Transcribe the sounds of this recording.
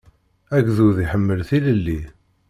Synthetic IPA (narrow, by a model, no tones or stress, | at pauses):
æɡzuðiħəmːəlθiləlːi